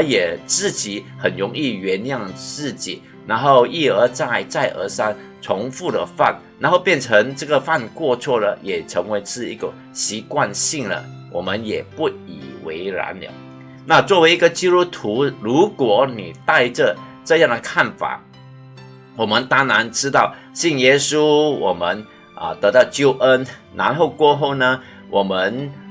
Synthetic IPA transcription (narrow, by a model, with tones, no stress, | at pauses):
ə˧˥jɛ˨˩t͡sɹ̩˥˩t͡ɕi˨˩hə˨˩nɻʊ˧˥ŋi˥˩ɥɛ˧˥njɑ˥˧ŋt͡sɹ̩˥˩t͡ɕḭ˨˩ | na˧˥nxo˥˩˧ʊi˥˩ə˞˧˥t͡sa˥˩ɪt͡sa˥˩ɪʔə̰˧˥sa˥ŋ | t͡sʰʊ˧˥ŋfu˥˩d̪ə̰˩fa̰˥˩nna˧˥nxo˥˧ʊpjɛ˥˩nʈ͡ʂʰə˧˥ŋʈ͡ʂɤ˥˩ɡə˨fa˥˧nkwɔ˥˧t͡sʰwɔ˥˩lə˩jɛ˨˩ʈ͡ʂʰɤ˧˥ŋwe˧˥ɪʂɻ̩˥˩ḭ˧˥ɡə̰˨˩ | ɕi˧˥kwa˥˧nɕi˥˩ŋlə̰˩ | wʔɔ̰˨˩mə˦njɛ˨˩pu˥˩ḭ˨˩wḛ˧˥ɪɻa̰˧˥nlə̰˨ | na˥˧t͡swɔ˥˩we˧ɪi˧˥ɡə˨t͡ɕi˥t̪u˥t̪ʰu˧˥ɻu˧˥kwɔ˨˩ni˨˩t̪a˥˧ɪʈ͡ʂə˨ʈ͡ʂɤ˥˧jɑ˥˩ŋd̪ə˩kʰa˥˩nfa̰˨˩ | wɔ˨˩mə˧˦nt̪a˥ŋna˧˥nʈ͡ʂɻ̩˥t̪ɑ˥˩ʊ | ɕi˥˩ŋjɛ˥su˦wɔ˨˩mə˧˦n | ʔə̰˨t̪ɤ˧˥t̪ɑ˥˧ʊt͡ɕjo˥˧˩ʊʔə˥n | na˧˥nxo˥˧ʊkwɔ˥˧xo˥˩ʊnə˩ | wʔɔ˨˩mə˧˦n